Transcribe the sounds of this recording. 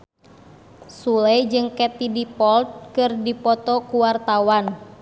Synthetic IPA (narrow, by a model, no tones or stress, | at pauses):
sulɛjd͡ʒɨŋkɛt̪idipɔlt̪̚kɨrdipɔt̪ɔkuwart̪awan